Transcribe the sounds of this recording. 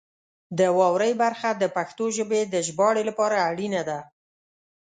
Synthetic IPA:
d̪əwɑwɾəjbaɾxad̪əpaxt̪oʒəbed̪əʒbɑɽelapɑɾaːɽinad̪a

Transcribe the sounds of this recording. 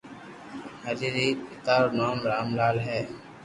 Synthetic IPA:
ɦəliːɾiːpɪt̪aːɾnoːmɾaːmlaːlɦɛː

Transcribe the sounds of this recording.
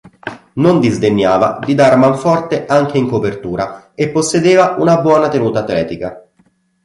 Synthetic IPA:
nond̪izd̪eɲːaːva̰d̪id̪armaɱfɔrt̪eʔaŋk̟eiŋkopert̪uːɾa | epːosːed̪eːvaunabwɔːnat̪enuːt̪aːt̪ːlɛːt̪ika

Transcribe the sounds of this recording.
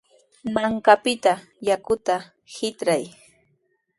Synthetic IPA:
maŋkapɪt̪a | jakʊt̪a | hɪt̪ɾaj

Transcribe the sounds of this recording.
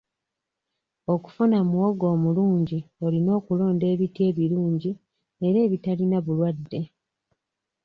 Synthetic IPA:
o̞ku̥funamuwoɡo̞ːmuluːɲɟio̞lino̞ːkulo̞ːnde̞ːβitje̞ːβiɾuːɲɟi | ne̞ɾe̞ːβitalinaβulwadːe̞

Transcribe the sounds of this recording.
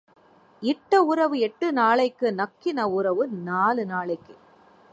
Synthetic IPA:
ɪʈːɐʊɾɐʋɯɛʈːɯnaːɭɐɪkːɯnɐkːɪnɐʊɾɐʋɯnaːlɯnaːɭɐɪkːɯ

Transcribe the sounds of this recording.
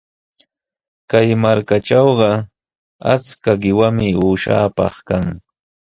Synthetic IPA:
kajmaɾkaʈ͡ʂɑwɢɑ | a̰t͡skaɢɪwamɪuːʃa̰ːpɑ̰χkaŋ

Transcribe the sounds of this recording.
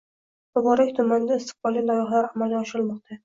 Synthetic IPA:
bʊbɒɾakʲt̪ʰʊmand̪aɪst̪ʰɪ̥q̚bɒlˠilajɒχlaɾamalˠɡʲaɒʃɪɾɪlmɒq̚t̪ʰa

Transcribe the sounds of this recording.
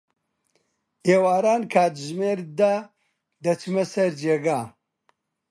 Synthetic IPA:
eːwaːɾaːnkʰaːt̪ʒmeːɾd̪a | d̪ɐt͡ʃʰɨmɐsɐɾd͡ʒeːɡaː

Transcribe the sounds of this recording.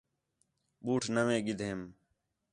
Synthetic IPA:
ɓuːʈʰnəʋẽːɡɪd̪ʱeːm

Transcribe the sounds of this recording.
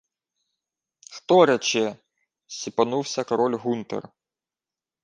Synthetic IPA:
xt̪ɔɾɛt͡ʃɛ | sʲipɐnuwsʲɐkɐɾɔlʲɦunt̪ḛr

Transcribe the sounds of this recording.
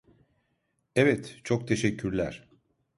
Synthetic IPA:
ɛvɛt̪t͡ʃʰo̞k̚t̪ʰe̞ʃɛcʰːyɾlʲæɾ̥

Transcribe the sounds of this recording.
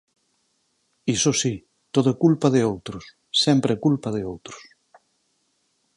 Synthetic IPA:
isosi | t̪oðʊɛkulpaðɪowt̪ɾʊsː | ɛmpɾekulpað̞ɪowt̪ɾʊ̥s

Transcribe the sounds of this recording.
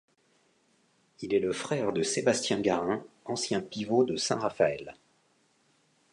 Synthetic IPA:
ilɛləfχɛʁd̪əsebast̪jɛ̃ɡaʁɛ̃ɑ̃sjɛ̃pivod̪əsɛ̰̃ʁafaɛl

